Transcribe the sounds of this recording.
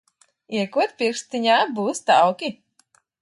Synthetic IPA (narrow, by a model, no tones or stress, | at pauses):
iɛkuɔt̪pʲiɾkst̪iɲaːbuːst̪awkʲi